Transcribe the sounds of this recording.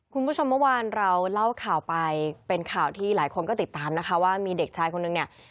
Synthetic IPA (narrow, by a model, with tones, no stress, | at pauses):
kʰu˧npʰu˥˩t͡ɕʰo˧mːɯ˥˩˨waː˧nɾa˧wla˥˩wkʰaː˨˩wpa˧jpe˧nkʰaː˨˩wt̪ʰiː˥˩laː˩˦jkʰo˧nkɔː˥˩t̪i˨˩t̪ːaː˧mna˦˥kʰa˦˥waː˥˩miː˧de˨˩k̚t͡ɕʰaː˧jkʰo˧nːɯ˨˩ŋni˥˩ɐ